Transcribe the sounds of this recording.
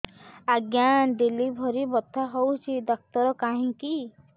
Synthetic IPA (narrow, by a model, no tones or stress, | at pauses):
aɡjand̪ilibʱɔɾibɔt̪ʰːaɦowt͡ʃʰid̪ɔk̚t̪ɔɾɔkaɦĩki